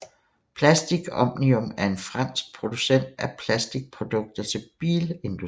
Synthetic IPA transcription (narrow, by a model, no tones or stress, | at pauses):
pʰlæsd̥iɡ̥ɒ̽mniɔ̽mæɐe̝nfʁɑ̈n̰sɡ̥̚pʰʁo̝d̥usen̰d̥æɐpʰlæsd̥iɡ̥̚pʰʁo̝d̥ɔ̽ɡ̥̚d̥ɐt͡sʰe̝lb̥ḭːle̝nd̥u